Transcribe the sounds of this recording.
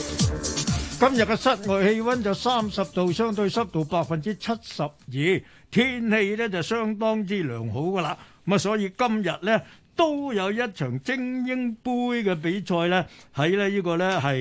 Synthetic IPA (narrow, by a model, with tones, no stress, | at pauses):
kɐ˥mjɐ˨˩t̚kɛ˧sɐ˥t̚ŋɔː˨jhe˧jfɐ˥nt͡sɐ˨wsaː˥msɐ˨p̚t̪o˨wsœː˥ŋt̪ɵ˧ɥsɐ˥p̚t̪o˨wpaː˧k̚fɐ˨nt͡siː˥t͡sʰɐ˥t̚sɐ˨p̚jiː˨˧ | t̪ʰiː˥nhe˧jlɛː˥t͡sɐ˨wsœː˥ŋt̪ɔː˥ŋt͡siː˥lœ̰ː˨˩ŋɦo˨˥wkɐː˧laː˧m̩˨m˨˩sɔː˨˥jiː˧kɐ˥mjɐ˨t̚lɛː˥t̪o˥wjɐ˨˧wjɐ˥t̚t͡ʃʰœː˨˩ŋt͡sɪ˥ŋjɪ˥ŋpuː˥jkɛː˧p̬e˨˥jt͡ʃʰɔː˧jlɛː˥hɐ˨˥jlɛː˥jiː˥kɔː˧lɛː˥ɦɐ˨j